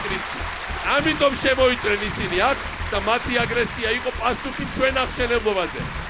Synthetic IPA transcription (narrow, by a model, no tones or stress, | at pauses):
ɾist̪ʰwis | amit̪ʼɔmʃɛmɔit̪sʼɾɛnisiniakʰ | d̪̥amat̪ʰiaɡɾɛsiaiqʼɔpʼasuχit͡ʃʰwɛnaχʃɛnɛblˠɔbazɛ̰